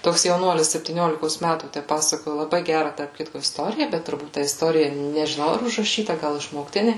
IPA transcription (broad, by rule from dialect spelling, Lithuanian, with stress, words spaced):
ˈtoːks jɛʊˈnuɔlʲɪs sʲɛpʲtʲiːˈnʲoːlʲɪkoːs ˈmʲætuː ˈtʲæ ˈpɑːsɐkoːjʊ lˠɐˈbɐɪ ˈɡʲærɐ tɐrp ˈkʲɪtkoː ɪsˈtoːrʲɪjɛ ˈbʲɛt tʊrˈbuːt tɐ ɪsˈtoːrʲɪjɛ nʲɛʒʲɪˈnɐʊ ɐr ʊʒrɐˈʃʲiːtɐ ˈɡɐlˠ ɪʃmoːkˈtʲɪnʲeː